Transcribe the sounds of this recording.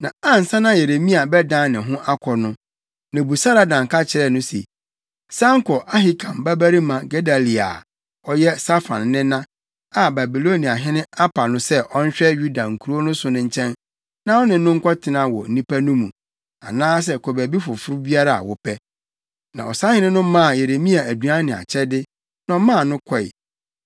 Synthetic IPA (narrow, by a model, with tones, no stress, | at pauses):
nã̰˨a˦n̩˨sã˦nã˦je˨ɾe˨mĩ˦a˨bɛ˦dã˦nɪ̃˨ɦʊ̃˦ʔa˦kʰɔ˨nʊ̃˦ | nã˨bu˨sa˦ɾa˨dã˨ŋka˦t͡ɕʰɪ˨ɾɛ˦˨nʊ̃˦sḛ˨ | sã˦ŋ̩˦kʰɔ˨ʔa˦ɦɪ˨kʰã˨mba˦bæ˦ɾi˦mã˨ɡe˦da˨li˨a̰˨ | ɔ˦jɛ˦sa˦fã̰˨nːɪ̃˦nã˦ | a˨ba˨bi˨lo˦nĩ˨a˨ɦɪ̃˦nɪ̃˦a˦pʰa˨nʊ̃˦sɛ˦ʔɔ˦n̩˦ɕᶣɛ˦ju˦da˨ŋ̩˨kʰu˨ɾo˦nʊ̃˦sʊ˨nʊ̃˦ɲ̩˦t͡ɕʰɛ̃˦n | nã˦ɔ˦nɪ̃˨n̩˦nʊ̃˦ŋ̩˦kʷʰɔ˦tʰɪ˨nã˨wɔ̰˨n̩˨nĩ˦pa˦nũ˦mũ˨ | a̰˨nãː˦s̬ɛ˦kʰo˨bæ˨bi˦fʊ˨fʊ˦ɾʊ˦bi˦a˦ɾa˦˨a̰˨wɔ˦pʰɛ˦ | nã̰˨ɔ̰˨sa˦hɪ̃˦nɪ̃˦nʊ̃˦mã˦˨je˨ɾe˨mĩ˦a˨æ˨dɥã˦nɪ̃˨a̰˨t͡ɕʰɛ˦dɪ˦ | nã˨˦ɔ˦mã˦˨nʊ̃˦kʷʰɔ˦˨ɪ̰˨